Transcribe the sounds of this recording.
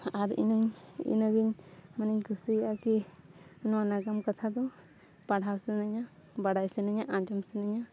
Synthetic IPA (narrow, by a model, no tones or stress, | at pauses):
aɾḭnəɲḭnəɡiɲmaniɲkʰusiaki | nwanaɡamkat̪ʰad̪ɔ | paɽ̤ʱawsɛnaɲa | baɽajsɛnaɲaʔãd͡ʒɔmsɛnaɲa